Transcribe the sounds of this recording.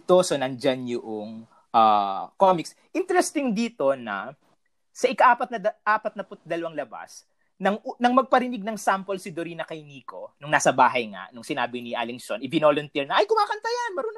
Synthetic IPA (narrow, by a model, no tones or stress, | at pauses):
t̪osonɐnd͡ʒanjʊʔoŋ | ʔaːkomɪks | ʔɪnt̪ɛɾɛst̪ɪŋd̪iːt̪o̞nɐ̰ | sɐʔɪkɐʔaːpɐt̪nɐɐʔaːpɐt̪̚nɐpʊt̪̚d̪ɐlɐwaŋlɐba̰s | nɐŋnɐŋmɐɡ̚pɐɾɪnɪɡ̚nɐŋsampolsɪd̪oɾiːnɐkɐjniːko̞nʊŋnaːsɐbaːɦɐjŋa̰ʔnʊŋsɪna̰ːbɪnɪʔa̰lɪŋsonɪbɪnolont̪iɹnɐʔɐjkʊmaːkɐnt̪ɐjanmɐɾon